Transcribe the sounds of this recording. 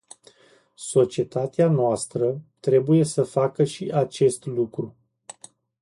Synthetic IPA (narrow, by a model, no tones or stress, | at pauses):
so̞t͡ʃie̞t̪at̪eanoast̪ɾət̪ɾe̞buje̞səfakəʃiʔat͡ʃe̞st̪lukɾu